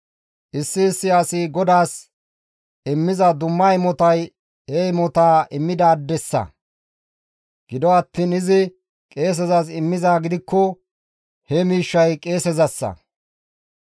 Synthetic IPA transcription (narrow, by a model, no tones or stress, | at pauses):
ʔɪsːɪːsːɪɐsɪɡɔd̪aːs | ɪmːɪzɐd̪ʊmːɐjɪmɔt̪ɐj | ɛɪmɔt̪aːʔɪmːɪd̪aːd̪ːɛsːɐ̰ | ɡ̥ɪd̪ɔɐt̪ːiːnɪzɪ | kʼe̞ːs̬ɛzɐs̬ɪmːɪzaːɡɪd̪ɪkːɔ | hɛmiːʃːɐjkʼe̞ːsɛzɐsːɐ̰